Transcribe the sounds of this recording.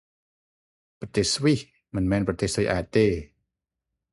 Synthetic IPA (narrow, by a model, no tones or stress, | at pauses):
pɾat̪eːswih | mɨnmɛːnpɾat̪eːsʔaːt̪̚t̪ːeː